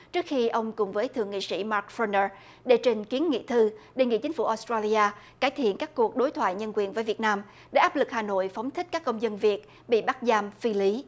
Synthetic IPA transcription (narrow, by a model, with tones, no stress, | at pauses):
t͡ɕɨ˦˥ək̚xi˧ʔə˧wŋ͡mkʊ˨˩ŋ͡mvəː˨˦jt̪ʰɨ̰˨˧˨əŋḭ˧˨sḭ˧˥maː˦˥k̚fə˧nəː˧ | ɗe˧˩t͡ɕe˧nki˨˦ənŋḭ˧˨t̪ʰɨ˧ɗe˧nŋḭ˧˨t͡ɕï˨˦ŋ̟fu˧˩ʔo˨˦˥st̪ɹaː˧li˧aː˧ | kaː˧˩jt̪ʰḭ˧˨ənkaː˦˥kːu˨˩ək̚ɗo˨˦jt̪ʰwa̰ː˧˨jɲə˧nkwi˨˩ənvəː˨˦jvi˨˩ət̚naː˧m | ɗe˧˩ʔaː˦˥p̚lɨ˨˩k̚haː˨˩no̰˧˨jfɔ˨˦wŋ͡mt̪ʰi̟˦˥kaː˦˥kːə˧wŋ͡mzə˧nvi˨˩ət̚ | ɓḭ˧˨ɓa˦˥t̚zaː˧mfi˧li˨˦